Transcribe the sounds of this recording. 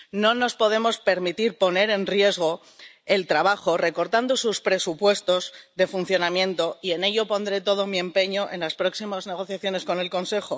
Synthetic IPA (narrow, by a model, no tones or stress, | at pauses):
no̞no̞spo̞ð̞e̞mo̞spe̞ɾmit̪iɾpo̞ne̞ɾe̞nrje̞zɣ̞o̞ | e̞lt̪ɾaβ̞axo̞re̞ko̞ɾt̪and̪o̞suspɾe̞supwe̞st̪o̞zðe̞fun̟θjo̞namjẽ̞nt̪o̞ie̞ne̞ʎo̞po̞nd̪ɾe̞t̪o̞ð̞o̞mie̞mpe̞ɲo̞ʔe̞̰nlaspɾo̞ksimazne̞ɣ̞o̞θjaθjo̞ne̞sko̞ne̞lko̞nse̞xo̞